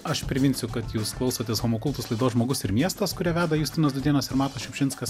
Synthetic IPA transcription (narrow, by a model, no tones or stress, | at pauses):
ɐʃpʲɾʲɪʋʲɪnʲsʲʊkɐt̪juːsklˠɐʊsoːt̪ʲeːsɣomoːkʊlˠt̪ʊslˠɐɪd̪oːsʒmoːɡʊsɪɾmʲiɛst̪ɐskʊɾʲæːʋʲæːd̪ɐjʊsʲt̪ʲɪnɐsd̪ʊd̪ʲiɛnɐsɪɾmɑːt̪ɐʃʲɛʊpʲʃʲɪnskɐs